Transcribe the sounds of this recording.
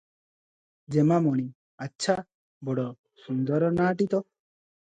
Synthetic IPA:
d͡ʒemamɔɽ̃i | atːʃʰa | bɔɽɔ | sund̪ɔɾɔnaːʈit̪ɔ

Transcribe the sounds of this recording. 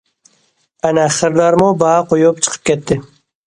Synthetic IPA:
anaχəɾd̪ɑɾmobaqojupt͡ʃʰɨ̥qʰə̥p̚kʲʰet̪ːɪ

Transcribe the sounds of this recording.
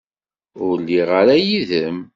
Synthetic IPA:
ʊɾlːiʁaɾæjiðəm

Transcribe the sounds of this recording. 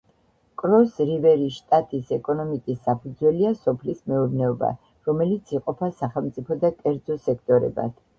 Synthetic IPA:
kʼɾɔsɾivɛɾiʃt̪ʼat̪ʼisɛkʼɔnɔmikʼisːapʰud̪zwɛliasɔpʰlismɛuɾnɛɔba̰ | ɾɔmɛlit̪sʰiqʼɔpʰasaχɛlˠmt̪sʼipʰɔd̪akʼɛɾd̪zɔsɛkʰt̪ʼɔɾɛ̰ba̰t̪ʰ

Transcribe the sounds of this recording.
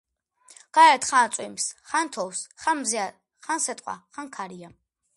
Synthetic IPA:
ɡ̥aɾɛt̪χaːt̪sʼwimsχant̪ʰɔwsχanmzɛa | χansɛt̪ʼqʼwa̰χaŋkʰaɾia

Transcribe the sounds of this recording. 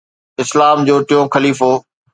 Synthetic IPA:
ɪslaːmd͡ʑoːʈɪjõːxɐliːfoː

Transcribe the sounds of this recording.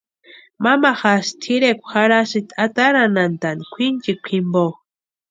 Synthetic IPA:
mamaxast̪ʰiɾekʷxaɾaʃit̪ʰat̪aɾanant̪anikʷʰint͡ʃikʷʰimbo

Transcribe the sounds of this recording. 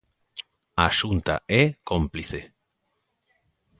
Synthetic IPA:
aʃunt̪a̰ɛkompliθe

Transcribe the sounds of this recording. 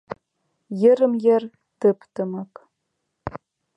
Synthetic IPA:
jɪrɨmjɛr | tɨpʰtʰɨmak

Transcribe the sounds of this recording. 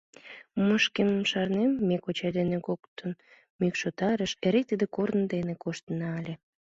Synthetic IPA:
məʃkeməmʃɑrnemːekot͡ɕɑd̪enekokt̪ən | mykʃot̪ɑɾəʃeɾek̚t̪əd̪ekornəd̪enekoʃt̪ənɑɑlʲe

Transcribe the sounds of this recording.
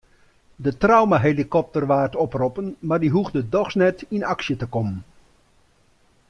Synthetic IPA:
dətrawmaɦelikɔp̚tərʋaːrtɔprɔpənmaːrdiɦuɣdədɔχsnɛtinɑksjətəkɔmən

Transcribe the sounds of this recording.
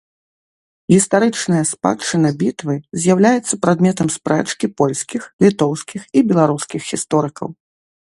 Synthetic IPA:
ɣʲist̪aɾɨt͡ʂnɐjɐspa̰t͡ʂɨnɐbʲit̪vɨzʲjawlʲajɛt̪sːɐpɾad̪mʲɛt̪ɐmspɾɛt͡ʂkʲipɔlʲsʲkʲixlʲit̪ɔwskʲixibʲɛlˠaɾuskʲixɣʲist̪ɔɾɨkɐ̰w

